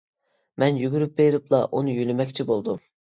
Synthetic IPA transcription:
mɛnjyɡʲyɾyp̚beɾɪplˠɑʔunujølɪmɛkʲt͡ʃʰibolˠd̪u

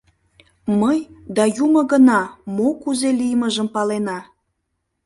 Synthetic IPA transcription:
məjd̪ɑjuməɣənɑmokuzelijməʒəmpɑlenɑ

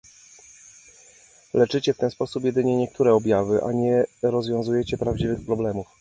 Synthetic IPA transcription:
lɛt͡ʂɘt͡ɕɛft̪ɛnspɔsupjɛd̪ɘɲɛɲɛkt̪uɾɛɔbʲjavɘʔa̰ɲɛɾɔzvʲjɔ̃w̃zujɛt͡ɕɛpɾavd͡ʑivɘxpɾɔblɛmuf

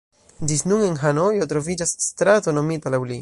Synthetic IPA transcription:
d͡ʒisnuŋenɦanojotɾo̞vid͡ʒasːt̪ɾatono̞mitalawli

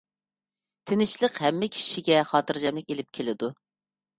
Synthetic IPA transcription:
t̪ʰɪnɪt͡ʃlˠəqhɛmːɪkʲʰi̥ʃiɡʲɛχɑːt̪ɨɾd͡ʒɛmlɪkʲelɪp̚kʲʰelɪd̪u

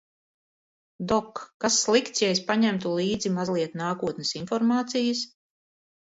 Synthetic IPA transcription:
d̪ɔkːasːlˠikt̪sjɛjspaɲæmt̪ulˠiːd̪zimazlˠiɛt̪naːkuɔt̪nɛsinfɔɾmaːt̪sijəs

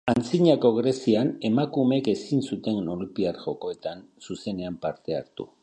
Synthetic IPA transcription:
ant͡siɲako̞ɣɾe̞siane̞makume̞ke̞sinsut̪e̞nnolupiaɾʝo̞ko̞et̪ansuse̞ne̞ampaɾt̪e̞a̰ɾt̪ṵ

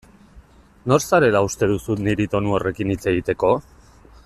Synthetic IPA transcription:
no̞ɾsaɾe̞laust̪e̞ðusut̪niɾit̪o̞nuo̞re̞kinit͡se̞ɣ̞it̪e̞ko̞

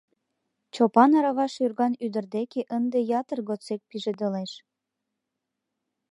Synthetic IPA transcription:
t͡ɕopɑnɑɾɑβɑʃyrɣɑnyd̪ərd̪ekeʔənd̪ejɑt̪ərɣot͡sek̚piʒed̪əleʃ

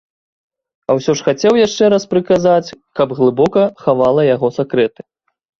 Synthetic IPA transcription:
ɐwsʲɔʂxat͡sʲɛwjaʂt͡ʂɛɾaspɾɨkazat͡sʲkɐbɣlˠɨbɔkɐxavalˠɐjaɣɔsakɾɛt̪ɨ̥

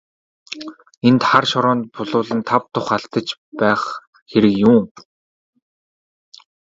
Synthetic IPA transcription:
ent̪χarʃɔɾɔːnt̪̚pʊɮʊːɮə̆nt̪ʰap̚t̪ʊχaɬt̪ə̆t͡ɕpæːχ | xeɾɘ̆kjuː

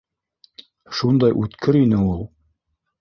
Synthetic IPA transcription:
ʃund̪ɑjʔʉt̪kʰɘɾinɘulˠ

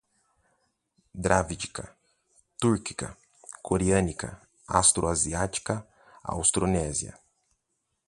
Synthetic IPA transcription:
d̪ɾavid͡ʒikɐ | t̪uɾki̥kɐ̰ | kʰoɾiɐ̃nikɐ̰ | ast̪ɾoaziat͡ʃi̥kɐ | a̰wst̪ɾonɛziɐ̰

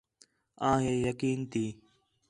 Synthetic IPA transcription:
ãːɦeːjəkiːnt̪iː

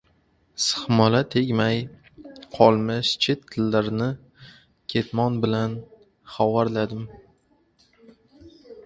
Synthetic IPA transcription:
sɨ̥χmɒlat̪ʰeɡʲmaj | qʰɒlˠmɪʃt͡ʃʰet̪ʰːɪlːaɾnɪ | kʲʰe̞t̪mɒnbɪlan | χɒwaɾlad̪ɪm

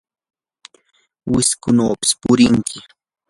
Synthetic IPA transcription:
wɪskʊnaːpɪ̥spʊɾɪŋkʰɪ

